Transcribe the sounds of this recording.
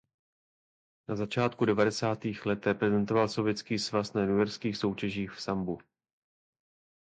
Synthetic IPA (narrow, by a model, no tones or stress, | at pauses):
nazat͡ʃaːt̪̚kudɛvadɛsaːt̪iːxlɛt̪ɾɛpɾɛzɛnt̪o̞valso̞vjɛt͡skiːsvasnajɛnujɛɾskiːxso̞wcɛʒiːxfsambu